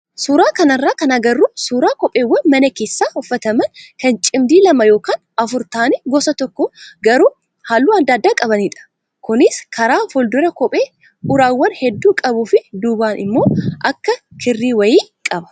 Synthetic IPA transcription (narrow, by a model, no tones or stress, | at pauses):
suːɾaːkɐnɐrːaːkɐnɐɡɐrːuːsuːɾaːkɔpʼeːwːɐnmɐnɐkeːsːaːhʊfːɐt̪ɐmɐnkɐnt͡ʃʼɪmd̪iːlɐmɐjoːkaːn | ɐfʊɾt̪aːnɛɡɔsɐt̪ɔkːɔɡɐɾuː | haːlːuːɐd̪aːd̪ːaːkʼɐβɐniːᶑɐ̥ | kʊnɪskʰɐɾaːfɔld̪ɔɾɐkɔpʼeː | ʔʊɾaːwːɐnhɛd̪ːuːkʼɐbuːfɪd̪uːbaːnʔɪ̰mːo̞ːʔɐkːɐkʰɪrːiːwɐjiːkʼɐbɐ̥